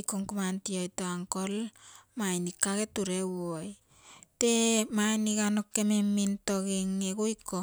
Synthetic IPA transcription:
ikoŋkomantiojtoaŋkolmainikːaketuɾewoj | temanikanokːememːintoɡeŋːekoiko

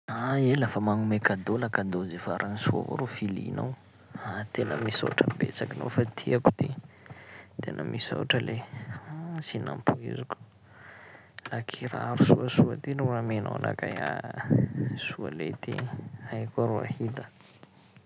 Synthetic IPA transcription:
aelafəmaŋumekad̪olakad̪ozefaɾʔanisua̰vo̰ɾofilḭna̰w | at̪enəmiso̰ʈ͡ʂəbḛt͡sakino̰fat̪ʰiaku̥t̪i | t̪enʔəmʔisa̰wʈ͡ʂəle | sina̰mpʰuḭziku̥ | lakʰiɾa̰ɾusuəsuət̪iluramena̰wana̰kaja | sua̰let̪iajkuaɾua̰hit̪ə̥

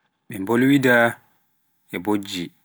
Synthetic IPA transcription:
ɓɛmbolwida | ʔɛbod͡ʒːi

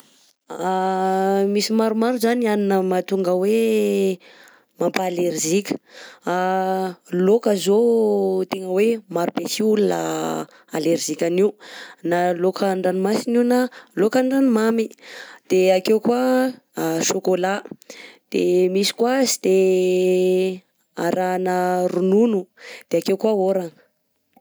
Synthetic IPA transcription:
misimaɾumaɾuzanianinəmat̪uŋɡəwe | mampaːleɾzikʲə̥a | lokəzot̪eŋəwemaɾubesiulunə | aleɾizikʲaniwnalokaɳɖ͡ʐanimasiniwnalokaɳɖ͡ʐanimamid̪̥eakewkwa | ʃokolad̪̥emisi̥kwazid̪̥e | aɾanəɾununud̪̥eakewkwaoɾaŋə

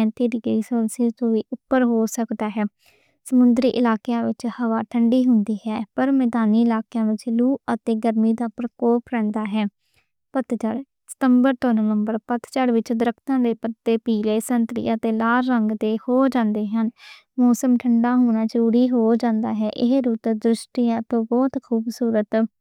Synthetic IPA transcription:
ɛ̃ːnt̪iːɾɪɡiːsoːlsẽːt̪õːʋiːʔʊpːəɾɦoːsəkd̪aːɦɛː | səmʊnd̪ɾiːʔɪlaːkjãːʋɪt͡ʃhəʋaːʈʰəɳɖiːɦʊnd̪iːɦɛːpəɾmɛːd̪aːniːɪlaːkejãːʋɪt͡ʃluːət̪eːɡəɾmiːd̪aːpɾəkɔːpɾɛ̃ːnd̪aːɦɛː | pət̪t͡ʃəɽ | sə̥t̪əmbəɾt̪õːnəʋəmbəɾpət̪t͡ʃəɽʋɪt͡ʃd̪əɾəkʰt̪ãːd̪eːpət̪ːeːpiːleːsənt̪ɾḭːət̪eːlaːlɾəŋɡd̪eːhoːd͡ʒãːnd̪eːɦən | mɔːsəmʈʰəɳɖaːɦoːñaːd͡ʒəɾuːɾiːɦoːd͡ʒãːnd̪a̰ːɦɛːʔɪɦɾuːt̪d̪ɾʊsʈiːjãːt̪õːbɔːt̪kʰuːbsuːɾət̪

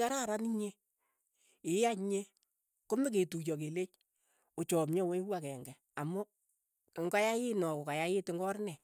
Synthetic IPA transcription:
kaɾaɾaniɲe | ɪaɲe | komek̬etut͡ʃɔk̬elet͡ʃ | ot͡ʃɔmɲɔwewakɛŋɡɛ | amɔ | ŋɡajajɪnɔkokajajɪtɪŋɡɔɾnɛ

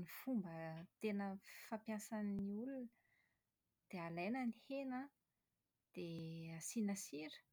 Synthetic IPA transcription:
nifumbət̪enəfapjasaniulun | d̪̥ealenənihena | d̪̥easinəsiɾə̥

